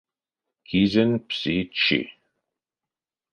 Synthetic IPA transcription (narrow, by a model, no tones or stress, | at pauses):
kʰizənpsit͡ʃʰːḭ